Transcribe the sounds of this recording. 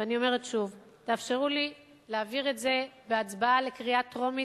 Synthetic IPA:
vanio̞me̞ʁetʃuv | taːfʃeʁuli | leaviʁe̞tze̞beat͡sbaale̞kʁiatʁo̞mi

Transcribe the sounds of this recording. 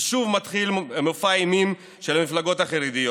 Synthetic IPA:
ʃuvmat̪χilmofajimim | ʃelmiflaɡo̞taχaʁid̪ijo

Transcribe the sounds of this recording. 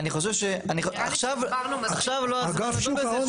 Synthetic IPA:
aniχo̞ʃevʃeanioaχʃavaχʃavloaaɡafuve

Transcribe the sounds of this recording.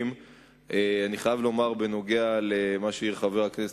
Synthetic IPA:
m | ʔeaniχajavlo̞maʁbeno̞ɡealemaʃeiʁχaveʁaknes

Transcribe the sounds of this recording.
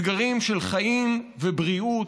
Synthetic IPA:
ɡaʁimʃelχaʔimvebʁiu

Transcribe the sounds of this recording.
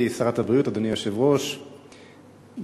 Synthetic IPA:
saʁat̪habʁijutad̪onijaʃevʁo̞ʃ

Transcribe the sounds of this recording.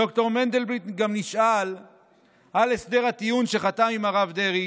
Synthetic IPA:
o̞kt̪o̞ʁmend̪elbʁit̪ɡamniʃʔal | ʔalesd̪e̞ʁhat̪ijunʃe̞χat̪amimaʁavd̪eʁi

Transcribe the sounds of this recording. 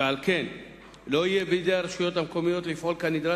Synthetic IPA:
ealke̞n | lo̞ijebeid̪e̞jaɾeʃujo̞t̪amko̞mijo̞t̪lifʔolkanid̪ɾa

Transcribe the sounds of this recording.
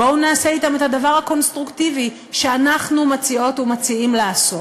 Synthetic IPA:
bounaːse̞it̪amethadavaʁhako̞nst̪ʁuktivi | ʃe̞anaχnumat͡sio̞tumat͡siimleaso

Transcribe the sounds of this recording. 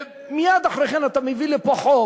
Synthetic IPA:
mijad̪aχɾeχenat̪amevilepaχo

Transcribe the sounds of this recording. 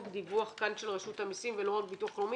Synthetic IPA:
kd̪ivuaχkanʃelʁeʃut̪amisimvelo̞ʁakbit̪uaχlomi

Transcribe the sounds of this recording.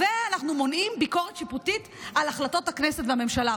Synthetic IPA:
veanaχnumo̞nʔimbiko̞ʁet̪ʃiputit | alaχlato̞taknesetveame̞mʃala

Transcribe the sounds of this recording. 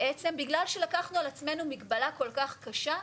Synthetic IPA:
ʔet͡se̞mbiɡlalʃe̞lakaχnualat͡sme̞numiɡbalako̞lkaχkaʃa

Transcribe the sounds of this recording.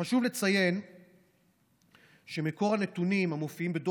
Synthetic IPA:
aʃuvle̞t͡sajen | ʃemeko̞ʁanet̪unimamofiimbed̪o

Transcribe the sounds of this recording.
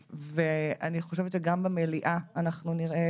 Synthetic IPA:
vea̰niχo̞ʃevett͡ʃeɡambemeliʔaːnaχnuniʁʔe

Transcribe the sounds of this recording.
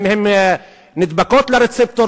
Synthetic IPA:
mhem | nid̪bakot̪leɾet͡sep̚t̪oɾ

